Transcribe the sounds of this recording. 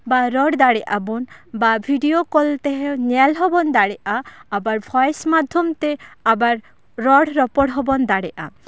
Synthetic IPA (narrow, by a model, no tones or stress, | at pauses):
baɾɔɽd̪aɽɛʔabɔnbabʱiɖiokɔlt̪eɦeɲalɦɔbɔnd̪aɽɛʔaːbaɾbʱɔjsmad̪ʱjɔmt̪eabaɾ | ɾɔɽɾɔpɔɽɦɔbɔnd̪aɽɛʔa̰